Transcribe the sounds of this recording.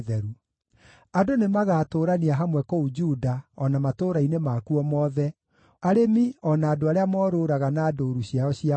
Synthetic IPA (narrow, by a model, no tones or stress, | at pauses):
ðɛɾu | adonemaɣaːtoːɾaniaɦamwɛkɔud͡ʒudaɔnamatoːɾainemaːkuɔmɔðɛ | aɾemiɔnaːdoaɾeamɔːɾoɾaɣanaːdoːɾuɕiaɔɕia